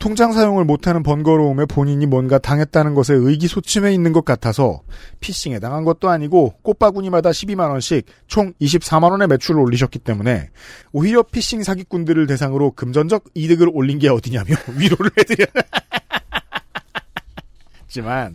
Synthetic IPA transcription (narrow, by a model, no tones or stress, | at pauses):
tʰoŋd͡ʑaŋs̬ʰajoŋɯɭmotʰanɯnpʌnɡʌɾoume̞poɲiɲimwʌnɡataŋɦe̞t̚t͈anɯnɡʌs̬ʰe̞ɯiɡisʰot͡ɕʰime̞inːɯnɡʌk̚k͈atʰasʰʌ̰pʰiɕ͈iŋe̞taŋɦanɡʌt̚t͈oaɲiɡok͈op͈aɡuɲimadaɕʰibimanwʌnɕʰik̚ | t͡ɕʰoŋiɕ̬ʰip̚s͈amanʌne̞me̞t͡ɕʰuɾɯɾoʎːiɕ̬ʰʌk͈it͈e̞mune̞̰oɦiɾjʌpʰiɕ͈iŋsʰaɡik͈undɯɾɯɭte̞sʰaŋɯɾokɯmd͡ʑʌnd͡ʑʌɡ̚idɯɡɯɾoʎːinɡe̞ʌdɯɲamjoɥiɾoɾɯɭhedɯɲana | t͡ɕiman